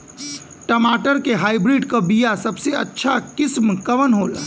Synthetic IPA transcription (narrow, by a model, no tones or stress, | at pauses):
ʈəmaːʈəɾkeɦaːjbɾiːɖkəbijasəbseə̰tːʃʰakɪsmkɐʋənɦoːl